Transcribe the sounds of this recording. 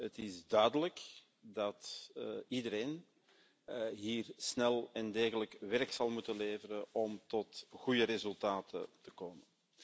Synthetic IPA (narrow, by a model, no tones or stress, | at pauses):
ətɪzdœːdələk | dɑt̪ | idəɾeːn | ɦiːrsnɛlˠɛndeːɣələkʋɛrksɑlˠmutənleːvəɾənɔmtɔtɣujəɾezʉlˠtaːtə̰tə̥koːmən